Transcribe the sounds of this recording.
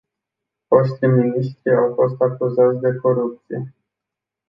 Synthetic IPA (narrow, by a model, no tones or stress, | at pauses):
fo̞ʃt̪ijminiʃt̪ɾiawfo̞st̪akuzat̪sʲd̪e̞ko̞ɾup̚t̪sije̞